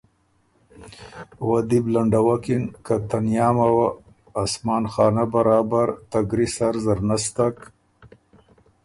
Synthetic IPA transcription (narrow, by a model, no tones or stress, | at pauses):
wad̪iblaɳɖawakinkat̪anjɑːmawaː | smɑːnxɑːnabaɾɑːbaɾt̪aɡɾisaɾzaɾnast̪ak